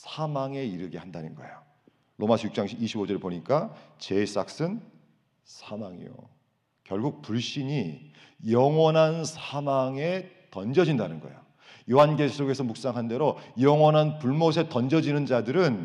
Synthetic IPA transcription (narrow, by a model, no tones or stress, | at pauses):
sʰamaŋe̞iɾɯɡehandanɯnɡʌḛjo | lʔomasʰʌjuk̚t͡ɕ͈aŋɕiiɕʰibod͡ʑʌɾeɭpoɲik͈at͡ɕe̞s͈ak̚s͈ɯn | sʰamaŋḭjo̰ | kjʌɭɡuk̚puɭɕ͈iɲi | jʌŋwʌnɦansʰamaŋe̞ | tʌnd͡ʑʌd͡ʑindanɯnɡʌ̰ejo | joɦanɡes͈oɡe̞sʰʌmuk̚s͈aŋɦande̞ɾojʌŋwʌnɦanpuɭmos̬ʰe̞tʌnd͡ʑʌd͡ʑinɯnd͡ʑadɯɾɯn